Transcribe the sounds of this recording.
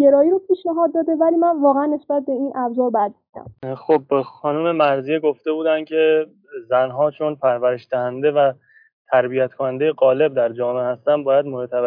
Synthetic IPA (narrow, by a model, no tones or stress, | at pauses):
ɟe̞ɾɒːjiːɾopʰiːʃnæɦɒːd̪̚ːɒːd̪e̞væliːmænvɒːɣeænːe̞sb̥æt̪̚be̞iːnʔæbzɒːɾbæd̪̚bud̪æ̰mxobːxɒːnuːme̞mæɾzijeɡo̞ft̪e̞buːd̪ænd̪̥cʰe̞ | zænɦɒːt͡ʃʰo̞npʰæɾvæɾe̞ʃd̪æhænd̪e̞væ | t̪ʰæɾbijæt̪kʰonænd̪ejeɡɒːle̞b̚d̪æɾd͡ʒɒːmeehæst̪ænd̪bɒːjæd̪moɾt̪ʰæb